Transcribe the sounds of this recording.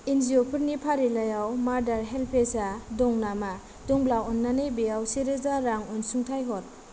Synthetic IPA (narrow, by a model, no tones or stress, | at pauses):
inziɔpʰɯɾnipʰaɾilajawmaɾdaɾɦelpʰesadɔŋnama | dɔŋblawɔnːanebejawseɾezaɾaŋɔnsuŋtʰajɦɔt̚